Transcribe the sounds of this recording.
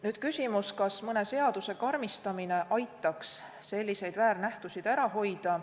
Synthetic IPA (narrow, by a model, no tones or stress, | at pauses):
nyːd̪̥̚kysʲimuskɑsmɤnese̞ɑd̪use̞kɑrmist̪ɑmine̞ʔɑjt̪ːˑɑksː | e̞lʲːise̞jd̪væːɾnæht̪usid̪̥æɾɑɦo̞jd̪̥ɑ